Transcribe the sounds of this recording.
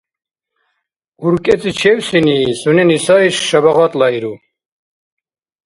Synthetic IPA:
uɾkʼɛt͡s̪ʼit͡ʃʰɛwsiniːsunɛnisaiʃːabaʁat̪ʼlaiɾu

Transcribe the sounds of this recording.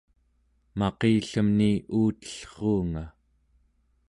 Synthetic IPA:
mɑqeːɬəmniuːt̪ə̥ɬχuːŋa

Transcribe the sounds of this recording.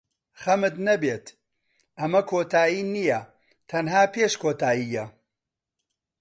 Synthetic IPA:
χɐmɨt̪nɐbeːt̪ | ʔɐmɐkʰoːt̪ʰaːjiːnijɐ | t̪ʰɐnɦaːpʰeːʃkʰoːt̪ʰaːjijɐ

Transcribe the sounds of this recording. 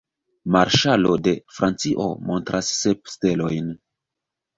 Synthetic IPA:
maɾʃalo̞de̞fɾʔant͡siʔo̞̰mo̞̰ntɾʔasːep̚ste̞lo̞jn

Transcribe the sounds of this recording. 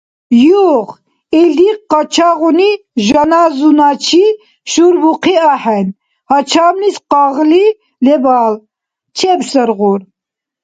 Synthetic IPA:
juʁ | eld̪iqɑt͡ʃʰaːɣuni | ʒɐnaːzunaːt͡ʃʰi | ʃuɾbuqiaħɛn | hɑt͡ʃʰaːmnisqɑːɣli | lɛbɑːl | t͡ʃʰɛbsəɾɣuɾ

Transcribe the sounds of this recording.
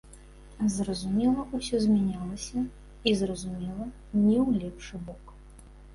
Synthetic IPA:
zrɐzumʲɛlˠɐusʲɔzʲmʲanʲalˠɐsʲɐ | izrɐzumʲɛlˠɐ | nʲɛwlʲɛpʂɨbɔk

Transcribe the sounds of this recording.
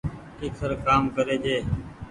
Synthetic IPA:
kɪːksəɾkaːmkəɾeːd͡ʒeː

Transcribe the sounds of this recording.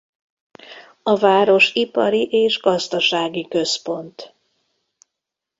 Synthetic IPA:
ɒvaːɾo̞ʃipɒɾiʔeːʒɡɒzd̪ɒʃaːɡikø̞spo̞nt̪

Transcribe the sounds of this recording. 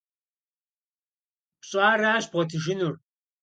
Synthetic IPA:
pɕʼaːɾaːʃbʁɔt̪ʰiʒinur

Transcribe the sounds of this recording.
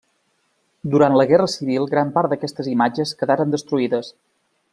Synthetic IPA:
d̪uɾant̪ləɣɛrəsiβ̞ilˠɡɾampaɾd̪əkɛst̪əzimad͡ʒəskəðaɾənd̪əst̪ɾuiðəs

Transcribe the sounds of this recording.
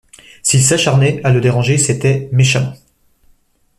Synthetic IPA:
silsaʃaʁnɛaləd̪eʁɑ̃ʒeset̪ɛmeʃã

